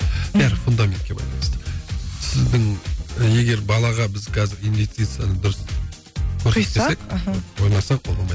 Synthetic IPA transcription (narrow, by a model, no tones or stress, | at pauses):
bæɾɪfʊnd̪amʲent̪kʲe̞bɑ̰jlˠɑ̰nəst̪əsɪzd̪ɪŋe̞ɡʲe̞ɾbɑlˠɑʁɑbɪzqʰɑzɪɾinvʲest̪ijt̪sɨjanəd̪ʊɾəs | kʰɵɾd̪eekwo̞jnɑsɑq̚bolˠɑmɑj̪